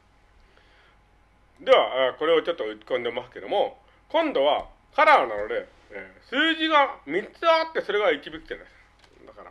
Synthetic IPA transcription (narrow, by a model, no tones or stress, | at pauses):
d̪e̞βaako̞ɾe̞ot͡ɕo̞t̪ːo̞ɯ̟i̥kõ̞nd̪e̞masɨ̥ke̞d̪o̞̰mo̞ | kõ̞nd̪o̞βa | kaɾanano̞d̪e̞ː | sɨːʑiɡamʲit͡sɨat̪ːe̞so̞ɾe̞ɡait͡ɕibʲikʲi̥d͡ʑana | d̪akaɾa̰